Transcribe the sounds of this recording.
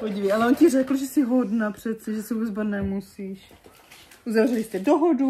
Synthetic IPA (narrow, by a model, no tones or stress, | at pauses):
poɟivɛjʔalɛoncɪr̝ɛkl̩ʒɛsɪɦodnapr̝̥ɛt̪sɛʒɛsɪuːbɛd͡zbat̪nɛmusiːʃ | ʔuzavrɛlɪst̪ɛdoɦodu